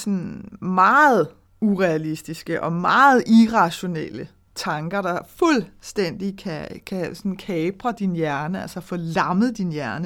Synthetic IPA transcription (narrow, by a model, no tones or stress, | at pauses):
sɔnmɑ̈ːð̩ˠ | uʁɛælisd̥isɡ̥əʔɒ̽mɑ̈ːð̩ˠʔiʁɑ̈ɕo̝nḛlə | t͡sʰɑ̈ŋɡ̥ɐɾ̥ɑ̈fulsd̥en̰d̥ikʰækʰæsɒnn̩kʰɛːb̥ʁɐd̥injæɐnəælsɐfɒlɑ̈mð̩ˠd̥injæɐnə